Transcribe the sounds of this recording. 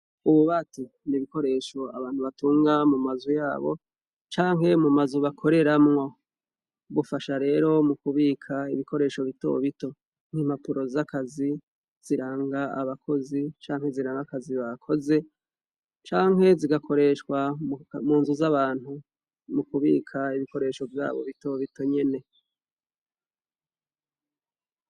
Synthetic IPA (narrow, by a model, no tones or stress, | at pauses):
uβuβati | niβiko̞ɾe̞ːʃo̞a̰βaːn̥huβatuːŋɡamumazujaːβo̞̰ | t͡ʃaːŋɦe̞mumazuβakʰo̞ɾe̞ɾamŋo̞ | βufaʃaɾe̞ːɾo̞mukuβiːkʰaiβikʰo̞ɾe̞ːʃo̞βito̞̰βito̞ | ŋ̥im̥apuɾo̞zakazi | z̥iɾaːŋɡaa̰βakʰo̞zit͡ʃaːŋhe̞ziɾaːŋɡakaziβakʰo̞ze̞ | t͡ʃaːŋɦe̞ziɡakʰo̞ɾe̞ʃkwamuːnzuzaβaːn̥hu | mukuβiːkʰaiβiko̞ɾe̞ːʃo̞vja̰ːβo̞̰βito̞βito̞ɲe̞ne̞